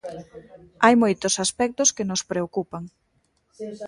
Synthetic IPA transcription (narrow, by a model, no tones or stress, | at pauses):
ajmojt̪ʊsaspɛk̚t̪ʊskɪnʊspɾeokupaŋ